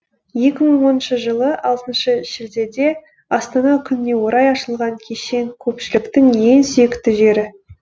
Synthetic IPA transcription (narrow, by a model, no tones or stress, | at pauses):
je̞kʲɪməɴwo̞nənʃəʒəlˠəʔɑlˠt̪ənʃəʒ̥ɪld̪e̞d̪e̞ | ɑst̪ɑnɑkʲʰʏnɪne̞wo̞ɾɑjɑʃəlˠʁɑŋkʲʰe̞ʃe̞ŋkʲʰɵpʃɪlɪkt̪ɪŋje̞nsʏjekt̪ɪʒe̞ɾɪ